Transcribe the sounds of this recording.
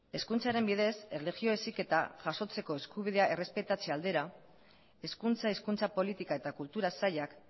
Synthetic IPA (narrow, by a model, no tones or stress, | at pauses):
e̞skunt͡saɾe̞mbiðe̞se̞le̞ɣio̞e̞sike̞t̪a̰ʝaso̞t͡se̞ko̞e̞skuβ̞iðe̞aʔe̞re̞spe̞t̪at͡seald̪e̞ɾa | e̞skunt͡saiskunt͡sapo̞lit̪ikae̞t̪akult̪uɾasajak